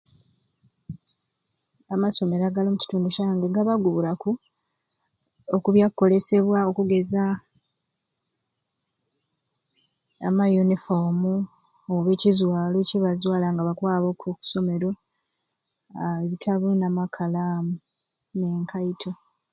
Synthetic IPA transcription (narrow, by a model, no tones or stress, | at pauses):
amaso̞me̞ɾaɡaloːmuci̥tuːnduʃaːŋɡeɡaβaɡuβulaku | okuβjakkːo̞le̞se̞βwao̞kuɡe̞za | majunifomu | oβe̞ːcizwaːloceβazwaːlaŋɡaβakwaːβo̞ːkʰoku̥so̞me̞ɾo̞ | βitʰaβunamakʰalaːmu | ne̞ːŋkʰaitʰo